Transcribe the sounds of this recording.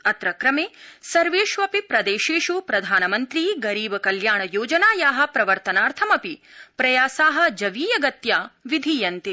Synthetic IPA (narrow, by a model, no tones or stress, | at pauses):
ɐt̪ɾɐkɾɐmeːsɐɾʋeːʃʋɐpipɾɐd̪eːʃeːʃupɾɐd̪ʱaːnɐmɐnt̪ɾiːɡɐɾiːbɐkɐljaːɳɐjoːd͡ʒɐnaːjaːɦɐ̆pɾɐʋɐɾt̪ɐnaːɾt̪ʰɐmɐpipɾɐjaːsaːɦɐ̆d͡ʒɐʋiːjɐɡɐt̪jaːʋid̪ʱiːjɐnt̪i